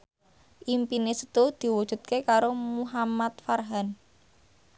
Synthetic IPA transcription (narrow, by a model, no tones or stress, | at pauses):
ʔimpinesə̥t̪ud̪̥i̤wud̥ʒ̥ṳt̪̚kekaɾomuɦamat̪̚farɦan